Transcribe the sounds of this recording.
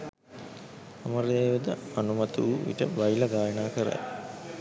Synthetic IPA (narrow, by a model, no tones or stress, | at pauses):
aməɾeːʋɐd̪ə̰anumɐt̪uʋuʋḭʈə̰ʋajilɐɡaːjənaːkəɾa̰j